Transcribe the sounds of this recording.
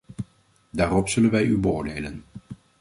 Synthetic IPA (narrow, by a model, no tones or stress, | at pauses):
daːɾɔpsɵlənʋɛjybəʊːɹdejlə̰n